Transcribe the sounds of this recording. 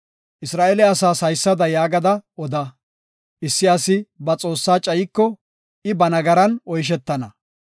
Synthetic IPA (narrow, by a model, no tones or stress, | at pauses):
ʔɪsɾaːʔɛlɛɐsaːsɐjsːɐd̪ɐjaːɡɐd̪ɐɔd̪ɐ | ʔɪsːɪɐsɪbɐt͡sʼo̞ːsːaːt͡ʃʼɐjɪkːɔ | ʔɪbɐnɐɡɐɾɐnɔjʃ̬ɛt̪ːɐnɐ